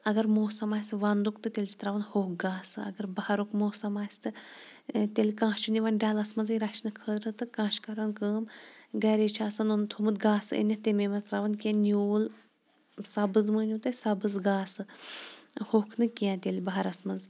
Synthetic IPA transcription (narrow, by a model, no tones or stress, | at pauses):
ɐɡɐɾmoːsɐmaːsɨʋand̪ukt̪ɨt̪ʲelʲt͡ʃi̥t̪ɾaːʋɐnhoːk̚ɡaːsɨɐ̰ɡɐɾbɐhaɾukmoːsɐmaːsʲt̪ɨ | t̪ʲelʲkãːt͡ʃunʲiʋɐnɖʲaːlɐsmɐnziɾaʃnɨkʰəːd̪ɾɨt̪ɨkãːʃkɐɾɐnkəːmɡɐɾeːt͡ʃʰaːsɐnunt̪ʰumɨt̪ɡaːsɨḛnʲːɐt̪ʲememɐzt̪ɾaʋɐnkʲẽnuːl | sɐbɨzmɨːnʲut̪ɐsɐbɨzɡaːsɨ | hoːkʰnɨkʲiãːt̪ʲelʲbɐɦɐɾɐsmɐnz